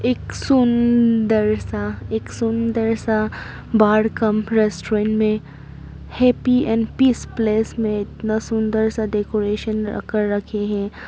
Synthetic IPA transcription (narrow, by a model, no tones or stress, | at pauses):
eːksʊnd̪əɾsaeːksʊnd̪əɾsa | baːɽkɐmɾɛsʈoɾẽːɳʈmẽ | hɛːpiɛ̃ːɳɖpiːspleːsmẽɪt̪nasʊ̃nd̪əɾsaɖekoːɾeːʃən̰kəɾːɐkʰeɦɛ̃ː